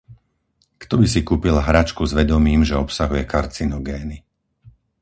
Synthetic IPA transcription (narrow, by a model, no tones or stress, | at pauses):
kt̪ɔbis̬ikuːpilɦɾat͡ʃkuzʋɛd̪ɔmiːmʒɛɔpsaɦujɛkaɾt͡sinɔɡɛːni